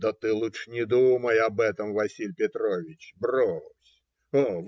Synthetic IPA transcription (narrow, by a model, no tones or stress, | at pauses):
d̪ət̪ɨlˠutʂnʲɪd̪uməjɐbɛt̪əmvɐsʲilʲpʲɪt̪ɾovʲɪt͡ɕbrosʲ | ov